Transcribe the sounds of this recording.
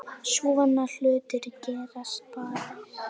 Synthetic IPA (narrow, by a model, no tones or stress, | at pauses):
suːvanːal̥ʏːt̪ɪɾcɛːɾast̪̚paːɾa